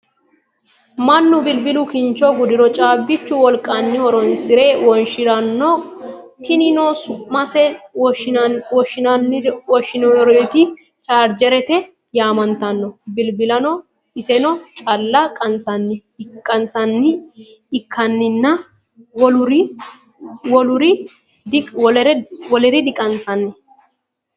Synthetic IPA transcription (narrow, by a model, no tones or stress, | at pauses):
mɐnːʊbɪlbɪlʊkɪnt͡ʃɔɡʊd̪ɪɾɔt͡ʃʼaːbːɪt͡ʃːʊwɔlkʼɐnːɪwɔɾɔnsɪɾe̞ːwɔnʃɪɾɐnːɔt̪ɪnɪnoːsʊmɐsɛ | wɔʃnwɔʃːɪnɔɾɔt̪ɪ | t͡ʃʼaːɾd͡ʒɛɾɛt̪ɛ | jaːmɐnt̪ɐnːɔbɪlbɪlɐnɔ | ɪsɛnɔt͡ʃʼɐlːɐkʼɐnsɐnːɪkʼːɐnsɐnːɪ | ɪkʰːɐnːɪnːɐ | wɔlʊɾɪ | wɔlʊɾɪ | wɔɛɾɛwɔlɛɾɪd̪ɪkʼɐnsɐnːɛ